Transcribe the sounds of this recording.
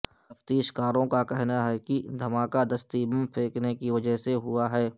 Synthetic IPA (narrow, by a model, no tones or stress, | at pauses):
t̪ɐft̪iːʃkaːɾõkakɛɦnaɦɛkid̪ʱɐmaːkad̪ɐst̪ibə̃mpʰeːknekiʋɐd͡ʒəɦseɦʊaɦɛː